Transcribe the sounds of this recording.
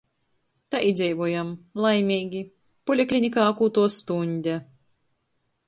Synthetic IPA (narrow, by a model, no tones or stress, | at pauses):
t̪aʔid̪zʲɛjvuɔjamlˠajmʲiːɡʲi | pɔlʲiklʲinʲikaːakuːt̪uɔst̪unʲd̪ʲæ